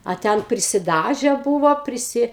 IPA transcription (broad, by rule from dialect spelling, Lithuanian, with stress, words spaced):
ɐ ˈtʲɛn pʲrʲɪsʲɪˈdɑːʒʲɛ ˈbuːʋoː pʲrʲɪˈsʲɪ